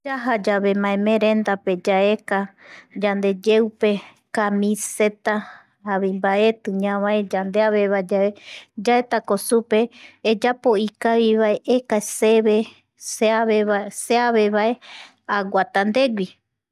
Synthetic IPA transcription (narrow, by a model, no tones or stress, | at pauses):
d͡ʒaɦad͡ʒaβe̞mãẽmẽɾẽnd̪ape̞d͡ʒaekad͡ʒand̪e̞d͡ʒeupe | kamĩse̞t̪a | aβimbae̞t̪ɨɲãβaed͡ʒand̪eaβe̞βaed͡ʒaed͡ʒaet̪akosupe̞ːd͡ʒapo̞ikaβiβaeʔekaseβe | seaβeaseaβe̞βae̞ | awat̪and̪e̞ɡʷi